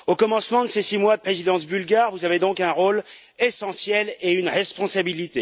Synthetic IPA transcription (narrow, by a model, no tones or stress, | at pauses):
okɔmɑ̃smɑ̃d̪əsesimwad̪əpχezid̪ɑ̃sbylɡʲaʁvuzaved̪ɔ̃kɛ̃ʁol | esɑ̃sjɛleynʁɛspɔ̃sabilit̪e